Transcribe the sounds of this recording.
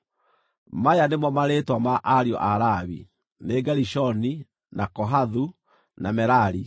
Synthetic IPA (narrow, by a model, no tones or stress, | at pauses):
majanemɔmaɾetwamaʔaɾiɔ̰ʔaɾaβi | neɡaɾiʃɔni | nakɔɦaðu | namɛɾaɾi